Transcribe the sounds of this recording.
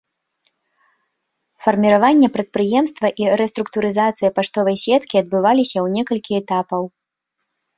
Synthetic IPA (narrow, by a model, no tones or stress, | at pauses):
fɐrmʲiɾavanʲːɛpɾɐt̪̚pɾɨjɛmst̪vɐʔiɾɛst̪ɾuk̚t̪uɾɨzat̪sɨjɐpaʂt̪ɔvɐjsʲɛt̪kʲiɐd̪̚bɨvalʲisʲɐwnʲɛkɐlʲkʲiɛt̪apɐw